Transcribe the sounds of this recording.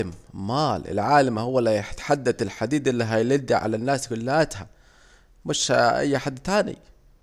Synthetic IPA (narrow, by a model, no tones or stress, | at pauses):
amːaːlʔɪ̰lʕaːlamhʊwːalːħt̪ħad̪ːad̪ɪlħad̪iːd̪ɪlːiɦajlɪd̪aʕa̰lanːaːskʊlːaːt̪ha | mɪʃʔa̰jːaħad̪ːt̪aːnḭ